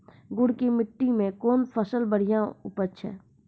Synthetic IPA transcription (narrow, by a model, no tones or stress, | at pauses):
ɡʊɽkimɪʈːimẽkoːnpʰəsəlbəɽ̤ijãʊ̰pət͡ʃʃʰɛ̰ː